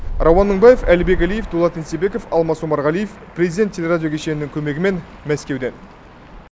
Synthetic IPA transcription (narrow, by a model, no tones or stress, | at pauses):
rʔɑwɑnːəŋbɑjefælɪbe̞k̬ʲælijefd̪olˠɑt̪ensebe̞ko̞fɑlˠmɑsumɑɾʁɑlijef | pʰrʲezid̪ʲet̪ʰʲːelʲe̞ɾadʲijo̞kʲʰe̞ʃenɪnɪŋkʲʰɵme̞ɡʲɪme̞n | mæskʲe̞wd̪e̞n